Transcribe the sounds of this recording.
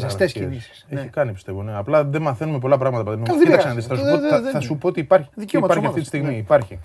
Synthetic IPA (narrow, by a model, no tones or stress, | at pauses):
st̪esnisi̥seçikɐnipi̥st̪e̞vo̞neɐplɐðemɐθe̞numep̬o̞lɐpɾɐɣmɐt̪ɐpɐt̪inmuiɐsenðisθɐsupoθɐsupo̞ot̪iːpɐɾç̥ðiɐpɐɾçiɐit̪ist̪iɣmiːpɐɾçi